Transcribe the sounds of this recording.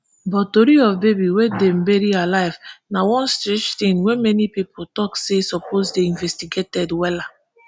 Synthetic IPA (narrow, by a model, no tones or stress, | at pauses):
bɔtoɾiɔvbebiwedɛ̃m̩beɾialaɪvnawɔ̃nstɾɛt͡ʃt̪ĩnwɛmɛnipipʰotɔksesɔpozdeĩɱvɛstiɡetɛdwɛla